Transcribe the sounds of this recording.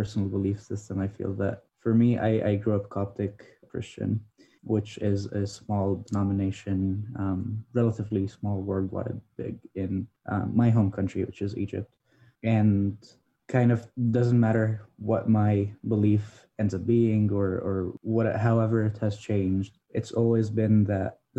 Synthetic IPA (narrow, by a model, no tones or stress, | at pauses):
ɜ˞sn̩l̩ˠbəlifsɪstə̃maɪfḭlˠðɨ̰t̚fə˞mia̰ɪʔa̰ɪɡɹuʌp̚kʰɑp̚tɨkkʰɹ̥ɪ̰st͡ʃɨ̰̃n | wɪt͡ʃɪzɨsmɔlˠdənɑmɨneɪʃɨ̃nʌ̃mɹɛlˠəɾɨvlismɔlˠwɜ˞d̚wɑ̰ɾɨd̚b̥ɪ̰ɡɪ̃nʔʌ̰maɪɦõʊ̃mkʰʌ̃nt͡ʃɹ̥ḭwɨt͡ʃɨzḭd͡ʒɨ̰p̚t̚ | ɨ̃n | kʰãɪ̃ndʌv̥dʌz̃n̩mæɾə˞wʌt̚maɪbəlif | ɛ̃ndzʌb̥iɪ̃ŋə˞ə˞wʌɾɨ̰ʔɦaʊɛvə˞ɨt̚hɨz̥t͡ʃʰẽɪ̃nd͡ʒd̥ | ʔɨtsɔlˠwizbɪ̃nðɨt̚